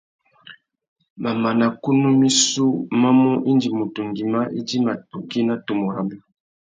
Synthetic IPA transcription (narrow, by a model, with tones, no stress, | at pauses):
ma˨ma˨na˨ku˦nu˦mi˦su˦ma˦mɔ˦ʔi˦ndi˨mo˨tu˨ŋɡi˨ma˦ʔi˦di˦ma˨tu˨ki˦na˦to˨mo˨ɾa˨ba˨